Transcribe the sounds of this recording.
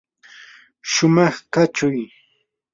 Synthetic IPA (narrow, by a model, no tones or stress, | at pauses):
ʃʊmɑχkat͡ʃʊj